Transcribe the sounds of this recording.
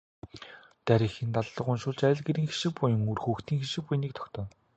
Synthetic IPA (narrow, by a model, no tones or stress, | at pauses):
t̪æɾʲĭːxĭːnt̪aɮɮɞ̆qʊnʃʊːɮt͡ɕæjʲɪ̆ɮɡeɾiːŋxi̥ʃɪ̆k̚pʊjə̆ŋurxuːxt̪ʰiːŋxiʃɪ̆k̚pʊjniːkt̪ʰɔ̥kt̪œ̆ː